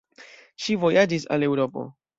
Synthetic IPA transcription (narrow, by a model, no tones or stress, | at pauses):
ʃivo̞jad͡ʒisa̰le̞wɾo̞po̞̰